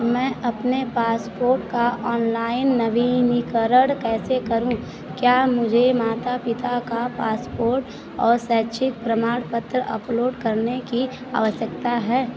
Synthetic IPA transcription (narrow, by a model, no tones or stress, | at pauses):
ɔɾmɛ̃ːʔɐpnepaːspoːɾʈkaɔːnlaːɪnːəʋinikəɾəɽkɛːsekəɾũ | kjaːmʊd͡ʒʱemaːt̪apɪt̪akapaːspoːɾʈ | ɔːɾsɛːt͡ʃʰɪk̚pɾəmaːɽpət̪ɾəə̰ploːɖkəɾneki | a̰ːʋəʃjəkt̪aɦɛː